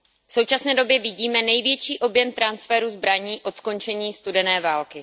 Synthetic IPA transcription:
fsowt͡ʃasnɛːdo̞bjɛvɪɟiːmɛnɛjvjɛt͡ʃiːʔo̞bjɛmt̪ɾansfɛɾuzbɾaɲiːʔo̞t̪sko̞nt͡ʃɛɲiːst̪udɛnɛːvaːlkɪ

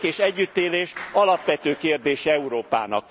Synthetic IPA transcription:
keːʃɛɟːyt̪ːeːleːʃɒlɒpʋɛt̪øːkeːrd̪eːʃɛɛuɾoːpa̰ːnɒ̰k̚

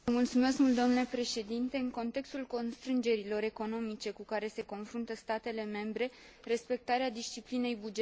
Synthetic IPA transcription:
əmult̪sume̞skmult̪ːonule̞pɾe̞ʃe̞d̪int̪e̞ɨŋko̞nt̪e̞kst̪ulko̞nst̪ɾɨnd͡ʒe̞ɾilo̞ɾe̞ko̞no̞mit͡ʃe̞kukaɾe̞se̞ko̞nfɾunt̪əst̪at̪e̞le̞me̞mbɾe̞ | re̞spe̞k̚t̪aɾead̪ist͡ʃipline̞jbud͡ʒe

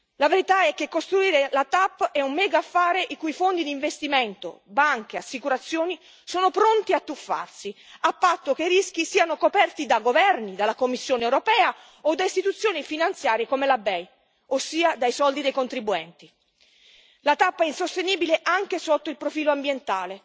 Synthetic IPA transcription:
laveɾit̪aɛkːekːost̪ɾuiːɾelat̪apːɛumːɛːɡaːfːaːɾeʔikujfond̪id̪iɱvest̪imɛnt̪o̰baŋk̟easːikuɾat̪sːjoːni | soːnopɾont̪iat̪ːufːa̰rsiapːat̪ːokeɾisk̟isiːanokopɛrt̪id̪aɡovɛrnid̪alːakomːisːjoːnewɾopɛːa | od̪ːaist̪it̪ut̪sːjoːnifinant̪sjaːɾjekomelabɛj | osːiːad̪ajsɔld̪id̪ejkont̪ɾibuɛnt̪i | lat̪apːɛinsost̪eniːbileʔaŋkesot̪ːoilpɾofiːloambjent̪aːle

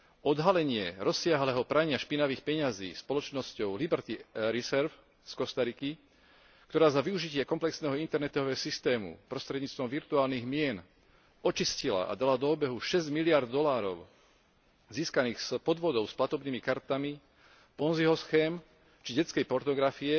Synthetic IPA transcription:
ɔd̪ɦalɛɲɪɛɾɔsːɪaɦlɛːɦɔpɾaɲɪaʃpinaʋiːxpɛɲazḭːspɔlɔt͡ʃnɔscɔʊlibɛɾt̪iɾisɛɾf | skɔst̪aɾiki | k̚t̪ɔɾaːzaʋiuʒicɪɛkɔmplɛksnɛːɦɔint̪ɛɾnɛt̪ɔʋɛːɔsist̪ɛːmṵpɾɔst̪ɾɛd̪ɲiːt͡st̪ʋɔmʋiɾt̪uaːlniɣmɪɛn | ɔt͡ʃiscila̰ʔa̰d̪alad̪ɔːbɛɦuʃɛzɟmilɪaɾd̪ːɔlaːɾɔ̰ʊ | ziːskaniːxspɔd̪ʋɔd̪ɔʊsplat̪ɔbniːmikaɾt̪ami | pɔnziɦɔsxɛːm | t͡ʃiɟɛt͡skɛjpɔɾt̪ɔɡɾafiɛ

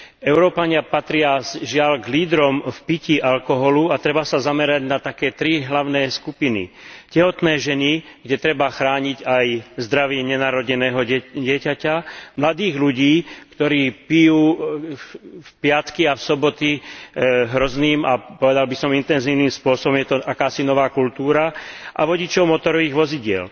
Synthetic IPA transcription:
ɛʊɾɔːpaɲɪapat̪ɾɪaʒɪaʎɡliːd̪ɾɔmfpiciʔalkɔɦɔluat̪ɾɛbasazamɛɾaɟnat̪akɛːt̪ɾiɦlaʊnɛːskupinḭ | cɛɦɔt̪nɛːʒɛniɡɟɛt̪ɾɛbaxɾaːɲiɟajzd̪ɾaʋɪɛɲɛnaːɾɔɟɛnɛːɦɔɟɪɛcacamlad̪iːɣluɟiːkt̪ɔɾiːpijuː | fpɪat̪kiafsɔbɔt̪i | ɦɾɔzniːmapɔʋɛd̪albisɔmint̪ɛnziːʊniːmspʊɔsɔbɔmjɛt̪ɔʔakaːsinɔʋaːkult̪uːɾaʔa̰ʋɔɟit͡ʃɔʊmɔt̪ɔɾɔʋiːɣʋɔziɟɪɛ̰l

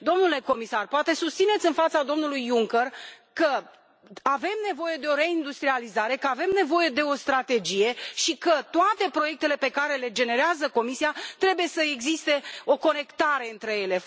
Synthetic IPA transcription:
d̪o̞mnule̞ko̞misarpoat̪e̞sust̪sine̞t̪sʲɨnfat̪sad̪o̞mnulujːuŋkerkə | ave̞mne̞vo̞je̞d̪e̞o̞ɾe̞ind̪ust̪ɾializaɾe̞kəave̞mne̞vo̞je̞d̪e̞o̞st̪ɾat̪e̞d͡ʒije̞ʃikət̪oat̪e̞pɾo̞je̞k̚t̪e̞lepe̞kaɾe̞le̞d͡ʒe̞ne̞ɾeazəko̞misiat̪ɾe̞bujesəeɡzist̪e̞o̞ko̞ne̞kt̪aɾe̞ɨnt̪ɾe̞je̞le̞

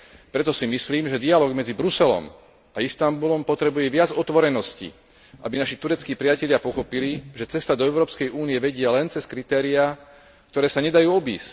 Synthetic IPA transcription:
pɾɛt̪ɔsimisliːmʒɛd̪ialɔːɡmɛd͡zibɾusɛlɔ̰m | aist̪ambulɔmpɔt̪ɾɛbujɛʋɪad͡zɔt̪ʋɔɾɛnɔscḭ | ʔabinaʃit̪uɾɛt͡skiːpɾɪacɛʎɪapɔxɔpiliʒɛt͡sɛst̪ad̪ɔɛʊɾɔːpskɛjʔuːnijɛʋɛɟɪalɛnt͡sɛskɾit̪ɛːɾia | kt̪ɔɾɛːsaɲɛd̪ajuːɔbḭːsc

